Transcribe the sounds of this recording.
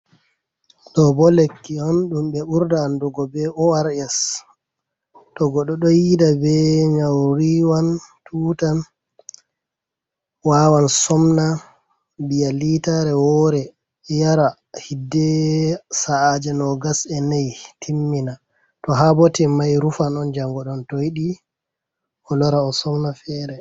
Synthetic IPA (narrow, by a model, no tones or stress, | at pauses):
ɗɔbɔlekːihonɗumbɛuɾdaːndɔɡɔbɛɔaɾɛs | tɔɡɔɗɔɗɔjidabɛɲawɾiwantʰuːtan | wawansɔmna | bijalitaɾɛwɔɾɛ | jaɾa | hidːɛsaːd͡ʒɛnɔɡasɛnajtʰimːina | tɔɦabɔtɛmajɾufanɔnd͡ʒaŋɡɔɗɔntɔjiɗi | ʔɔlɔɾaɔsɔmnafɛːɾɛ